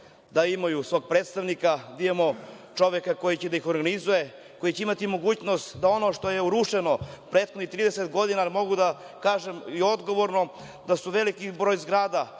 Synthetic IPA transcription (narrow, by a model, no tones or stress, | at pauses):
d̪aimajusʋoːɡ̚pɾeːt̪st̪aʋnikad̪ijemo | t͡ʃo̞ʋekako̞jit͡ɕed̪aixo̞ɾɡanizuje̞ | ko̞jit͡ɕeimat̪imo̞ɡuːt͡ɕno̞st̪d̪ao̞no̞ʂt̪o̞jeuɾuʃeno̞pɾe̞ːt̪xod̪nit̪ɾiːd̪eset̪ɡo̞d̪inalimo̞ɡud̪a | kaːʒemio̞d̪ɡo̞ʋo̞ɾno̞ | d̪asuʋe̞likibɾojzɡɾaːd̪a